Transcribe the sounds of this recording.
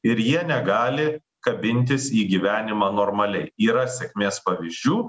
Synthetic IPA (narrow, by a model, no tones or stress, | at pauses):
ɪɾjiɛnʲɛɡɑːlʲɪ | kɐbʲɪnʲt̪ʲɪsiːɡʲiːʋʲæːnʲɪmɑːnoːɾmɐlʲɛɪiːɾɐsʲɛkʲmʲeːspɐʋʲizʲd͡ʒʲuː